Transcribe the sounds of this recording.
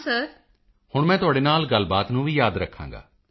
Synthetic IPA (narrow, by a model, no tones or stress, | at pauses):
səɾ | hʊɳmɛ̃ːt̪ʊaːɽeːnaːlɡəlbaːt̪nũːʋiːjaːd̪ɾəkʰːã̰ːŋɡa̰ː